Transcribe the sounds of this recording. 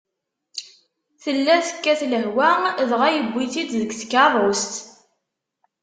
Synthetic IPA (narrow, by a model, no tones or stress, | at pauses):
θəlːæθə̥kːæθləɦwæðʁæjəbːiθid̪ðəɡθə̥kːɑɾˤost̪